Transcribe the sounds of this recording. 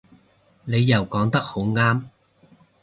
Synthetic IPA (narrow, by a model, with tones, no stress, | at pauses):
ne˨˧jːɐ˨˩wkɔː˨˥ŋt̪ɐ˥k̚ho˨˥wŋaː˥m